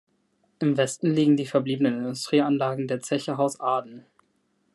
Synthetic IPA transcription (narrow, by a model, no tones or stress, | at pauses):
ʔɪmvɛstn̩liːɡŋ̩diːfɛɐbliːbənənɪndʊstʁ̥iːanlaːɡŋ̩deːɐt͡sɛçəɦaʊsʔaːdn̩